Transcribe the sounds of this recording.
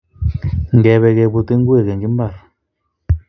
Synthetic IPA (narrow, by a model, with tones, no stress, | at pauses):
ŋ˨ɡɛ˨βɛ˨kɛ˨bu˨te˦ŋ˦ɡwe˦˨kɛ˨ŋɡi˦m˦ba˦˨ɾ